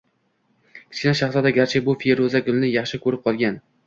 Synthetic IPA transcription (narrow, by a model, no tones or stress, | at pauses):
kʲʰɪ̥t͡ʃkʲɪnaʃɑχsˠad̪aɡʲaɾt͡ʃʰɪbʊfieɾozaɡʲʊlˠnɪjɑχʃɪkʰɵɾɪp̚qʰɒlˠɡʲan